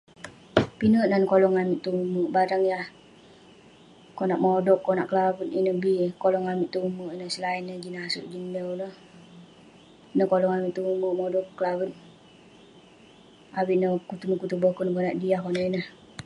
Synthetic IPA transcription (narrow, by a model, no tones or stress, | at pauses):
pinəʔnankolɔŋamiʔt̪ːuumuʔbaɾaŋjah | konaʔmodɔkːɔnaʔkəlawət̪inəhbikolɔŋamiʔt̪uumuʔinəhsəlainːəd͡ʒinaasṵʔd͡ʒinːənəh | nəkolɔŋamiʔt̪ːuumuʔmodɔʔːəlawət̪̚ | awiʔnəkut̪uməkut̪ubəhkonəkonaʔdiahkonaʔinəh